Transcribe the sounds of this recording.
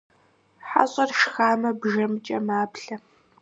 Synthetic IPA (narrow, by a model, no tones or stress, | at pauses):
ħa̰ɕʼɐrʃxaːmɐbʒɐmɨt͡ʃʼɐmaːpɬɐ